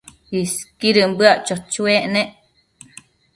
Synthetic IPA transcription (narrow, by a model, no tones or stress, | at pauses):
iskiɾəmbɨaʔt͡ʃot͡ʃueʔneʔ